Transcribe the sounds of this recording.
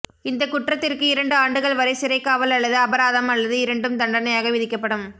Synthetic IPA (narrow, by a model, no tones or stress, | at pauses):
ɪnd̪ɐkʊʈrɐt̪ːɪrkɯɪɾɐɳɖɯaːɳɖɯɣɐɭʋɐɾɐɪsɪɾɐɪkːaːʋɐlɐɭːɐðɯɐbɐɾaːðɐmɐlːɐðɯɪɾɐɳɖɯmd̪ɐɳɖɐnɐjaːɣɐʋɪðɪkːɐpːɐɽɯm